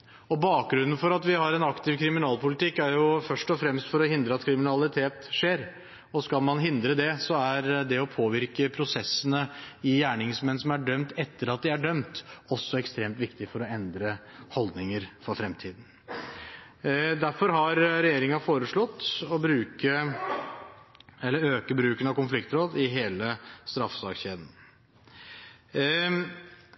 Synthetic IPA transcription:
ɔbɑːk̚ɡɾʉnːənfɔɾɑt̪ʋɪhɑɾɛnɑkt̪ɪʋkʰɾɪmɪnɑːlˠpʊlɪt̪ɪkːæɾjʊfœʂʈɔfɾɛmst̪fɔɾɔhɪnd̪ɾəɑt̪kʰɾɪmɪnɑlɪt̪ʰeːt̪ʂeːɾ | ɔskɑlmɑnɦɪnd̪ɾəd̪ɛsɔæɾd̪ɛɔpʰoːʋɪɾkəpʰɾʊsɛsːənəɪjæːɳɪŋsmɛnsɔmæɖœmt̪ɛt̪ːəɾɑt̪̚d̪ɪæɖœmt̪ɔsːɔɛkst̪ɾeːmt̪ʋɪkt̪ɪfɔɾɔɛnd̪ɾə | hɔld̪nɪŋəɾfɔɾfɾɛmt̪ʰiːd̪n̩ | d̪æɾfɔɾɦɑɾɾɛjeːɾɪŋɑfoːɾəʂɭɔt̪ːɔbɾʉːkə | ɛlːəɾøːkəbɾʉːkənɑʋkʊnflɪkt̪ɾoːd̪ɪɦeːləst̪ɾɑfsɑːkɕeːd̪n̩

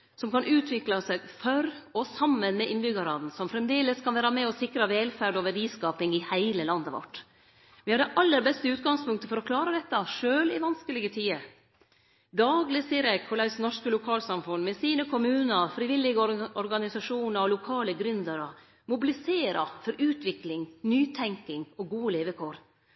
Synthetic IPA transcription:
sɔmkɑnʉːt̪ʰʋɪklɑsɛɡfɔɾɔsɑmːənmɛʔɪnbʏɡɑɾɑːd̪n̩sɔmfɾɛmd̪eːləskʰɑnʋæːɾɑmɛɔsɪkɾɑʋɛːlfæɖɔʋəɖiːskɑːpɪŋɪhæɪləlɑnd̪əʋɔ̰ʈː | ʋɪhɑɖɛʔɑlːəɾbɛst̪əʉːt̪ɡɑŋspʊŋkt̪əfɔɾɔkʰlɑːɾəd̪ɛt̪ːɑʂøːlɪʋɑnskəlɪɡət̪ʰiːə | d̪ɑːɡlɪsiːəɾjæɡkʰɔlæʉsnɔʂkəlʊkʰɑːlsɑmfʊnːmɛsiːnəkʰʊmʉːnəɾfɾɪʋɪlːɪɡəɔɾɡɑnɪsɑʂuːnəɾɔlʊkʰɑːləɡɾʏnd̪əɾɔ | mʊbɪlɪseːɾɑfɔɾʔʉːt̪ʰʋɪklɪŋnyːt̪ʰɛŋkɪŋɔɡuːəleːʋəkʰoːɾ

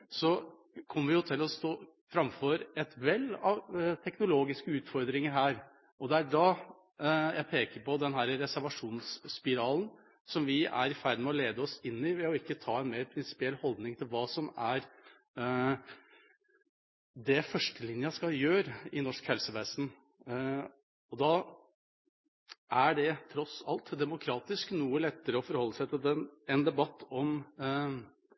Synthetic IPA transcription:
sɔ | kʰɔmːəɾʋɪjʊt̪ʰɪlɔst̪oː | fɾɑmfɔɾɛt̪ʋɛlːɑʋt̪ʰɛknʊloːɡɪskəʉːt̪fɔɾd̪ɾɪŋəɾɦæːɾ | ʔɔd̪ɛæɖɑ | jʔæɪpʰeːkəɾpɔd̪ɛnɦæːɾəɾɛsæɾʋɑʂuːnsːpɪɾɑːln | sɔmʋɪæ̰ɾɪfæɾd̪əmɛɔleːd̪əɔsɪnːɪʋɛɔɪkːət̪ʰɑːɛnmeːɾpʰɾɪnsɪ̥pɪɛlːhɔld̪nɪŋt̪ʰɪlʋɑːsɔmæɾ | d̪ɛfœʂʈəlɪnjəskɑjøːɾəɪnɔʂkhɛlsəʋɛsn | ɔd̪ɑ | ʔæɖɛt̪ʰɾɔsɑ̰lt̪d̪ɛmʊkʰɾɑːt̪ɪsknuːəlɛt̪ːəɾəɔfɔɾhɔlːəsæɪt̪ʰɪld̪ɛnɛnd̪ɛbɑt̪ːɔm

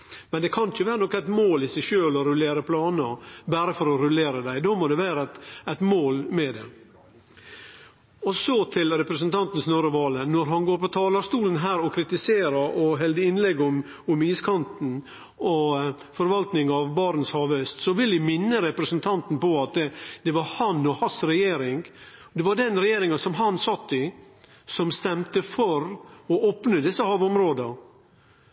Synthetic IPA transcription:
mɛnd̪ɛkʰɑnçəʋæːɾənɔkːæɪt̪moːlɪsæɪʃøːlɔɾʉleːɾəpʰlɑːnəbæɾəfɔɾɔɾʉleːɾəd̪æɪd̪oːmɔd̪ɛʋæːɾət̪æt̪moːlmɛd̪ɛ̰ | ɔsɔt̪ʰɪlɾɛpɾəsənt̪ʰɑnt̪n̩snøːɾəʋɑːlənɔɾɦɑnɡoːɾpʰɔt̪ʰɑːlɑɾst̪uːlənɦæːɾɔkʰɾɪt̪ɪseːɾəɾɔɦɛld̪əɪnlɛɡʊm | ʊmiːskʰɑnt̪n̩ | ɔ | fɔɾʋɑlt̪nɪŋɑʋbɑɾn̩shɑːʋœst̪sɔʋɪlɪmɪnːəɾɛpɾəsnt̪ʰɑnt̪n̩pɔɑt̪ɛd̪̥ɛʋɑɾhɑnːɔhɑsɾɛjeːɾɪŋ | d̪ɛʋɑɖɛnɾɛjeːɾɪŋəsɔmɦɑnsɑt̪ːɪ | sɔmst̪ɛmt̪əfɔɾɔʔoːpnəd̪ɪsːəhɑːʋɔmɾoːd̪ə

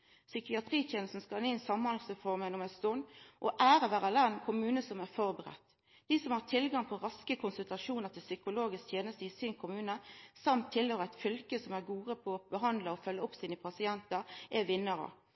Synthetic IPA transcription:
sʏkɪɑt̪ʰɾiːt̪ʰjeːnl̩sn̩skɑnɪnsɑmːɑnlsəfɔɾmɛnɔmæst̪ɔnʔɔʔæːɾəʋæːʁəlɛnkʰʊmʉːnəsɔmæɾfɔʁbəʁɛ̰t̪ː | d̪̥iːsɔmhɑt̪ʰɪlɡɑŋpʰɔʁɑskəkʰʊnsʉlt̪ɑʂuːnəɾt̪ʰɪlsʏkʊloːɡɪskt̪ʰjeːnəst̪əɪsinkʰʊmʉːnəsɑmt̪ʰːɪløːɾəæɪt̪fʏlkəsɔmæɾɡuːʁəpʰɔb̥əɦɑnd̪ləɔfœlːəɔpsiːnəpʰɑsɪɛnt̪əʔɛʋɪnːəɾə̰

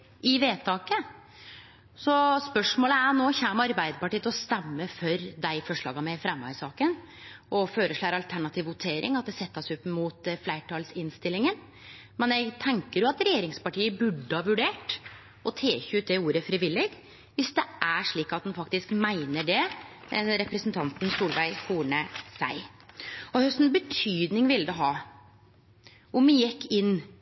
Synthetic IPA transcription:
ʔɪʋeːt̪ʰɑːkə | sɔspœʂmoːləænoːçæːmɑɾbæɪd̪əpɑʈiːət̪ɔst̪ɛmːəfœɾd̪æɪfɔʂɭɑ̰ːɡɑmɛfɾɛmːɑ̰sɑːkən | ʔɔføːɾəʂɭæːɾɑlt̪ʰæɳɑt̪ʰiːʋʊt̪ʰeːɾʔɪ̰ŋɑt̪̚d̪ɛsɛt̪ːɑsʉpːəmuːt̪flæɪʈʰɑːlsɪnst̪ɪlːɪŋən | mɛnjɛɡt̪ʰɛŋkəɾjʊɑt̪ɾɛjeːɾɪŋspɑʈiːəbʉɖːəhɑʋʉɖeːʈ | ɔt̪ʰeːçʉːt̪̚d̪ɛuːɾəfɾɪʋɪlːɪɡ | ʋɪsd̪ɛʔæʂɭiːkɑt̪̚d̪ɛnfɑkt̪ɪskmæɪnəɖɛ | ɾɛpɾəsnt̪ʰɑnt̪n̩suːlʋæɪkʰuːɳəsæɪ | ɔhœst̪n̩bət̪ʰyːd̪nɪŋʋɪlːəd̪ɛɦɑː | ʔʊmjɛkːɪnː

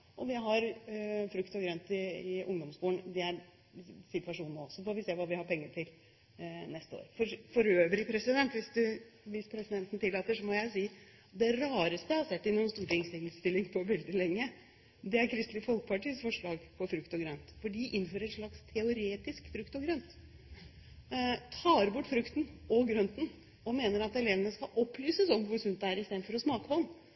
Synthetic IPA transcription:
ʔɔʋɪɦɑɾfɾʉkt̪ɔɡɾœnt̪ɪɪʔʊ̰ŋd̪ɔmskuːɳd̪ɛæɾ | sɪt̪ʋɑʂuːnəɔsːɔfoʋɪseːʋɑːʋɪhɑɾpʰɛŋːəʈʰɪl | nɛst̪əo̰ːɾfɔɾfɔɾøːʋəɾɪpʰɾɛsɪd̪ɛnt̪ʋɪsd̪ʉ | ʋɪspʰɾɛsɪd̪ɛnt̪n̩t̪ɪlːɑːt̪əʂɔmɔjæɪsiː | d̪ɛɾɑːɾəst̪əhɑsɛt̪ːɪnːʊnst̪uːʈɪŋsɪŋst̪ɪlɪŋpʰɔʋɛld̪ɪlɛŋːə | d̪ɛæɾkʰɾɪst̪lɪəfɔlkə̥pɑʈiːəsfɔʂɭɑːɡpʰɔfɾʉkt̪ɔɡɾœnt̪fɔɖiːʔɪnːføːɾəɾɛt̪ʂɭɑkst̪ʰɛʊɾeːt̪ɪskfɾʉkt̪ɔɡɾœnt̪ | t̪ʰɑːɾbʊʈːfɾʉkt̪n̩ɔɡɾœnt̪n̩ | ɔmeːnəɾɑt̪ɛleːʋənəskɑʔɔpːlyːsəsɔmʋʊɾsʉnt̪æɾɪst̪eːd̪nfɔɾɔsmɑːkəpɔnː

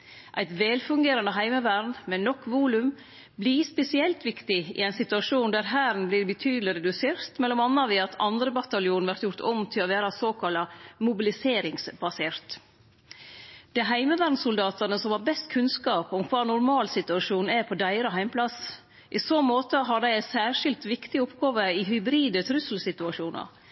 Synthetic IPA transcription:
ʔæɪt̪ʋɛːlfʉŋɡeːɾɑnəɦæɪməʋæɾnmɛnɔkːʋuːlʉm | blispɛsɪɛlt̪ʋɪkt̪ɪɪ̰æɪnsɪt̪ʉɑʂuːnd̪æːɾɦæːɾn̩blɪːɾbət̪ʰyːd̪l̩ɪɾɛd̪ʉseːɾt̪mɛlːɔmɑnːɑʋɪɑt̪ʰɑnd̪ɾəbɑt̪ɑljuːnʋæɾt̪jʊɾt̪ʰɔmt̪ʰɪloʋeːɾɑsoːkʰɑlɑmʊbɪlɪseːɾɪŋsbɑseːɾt̪ | d̪̥ɛɦæɪməʋæɾnsʊld̪ɑːt̪ɑnəsɔmhɑɾbɛst̪kʰʉnskɑːpɔmkʰʋɑːnʊɾmɑːlsɪt̪ʉɑʂuːnæpʰɔd̪æɪɾəɦæɪmpʰlɑs | ʔɪsoːmoːt̪əɦɑɖæɪæɪsæːʂɪlt̪ʋɪkt̪ɪɔpɡɑːʋəɪɦʏbɾiːd̪ət̪ʰɾʉsl̩sɪt̪ʉɑʂuːnɑ̰

